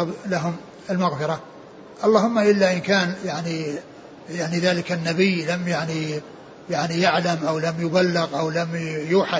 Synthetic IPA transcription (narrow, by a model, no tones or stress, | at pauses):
blaɦʊm | ɪlmaɣfɪɾˤɑ | ʔɑlˤːɑːhʊmːaʔɪlːaʔɪnkaːnjaʕni | jaʕniðaːlɪkanːabɪjːlamjaʕni | jaʕnijaʕlamʔawlamjʊbalːɪɣʔawlamjuːħa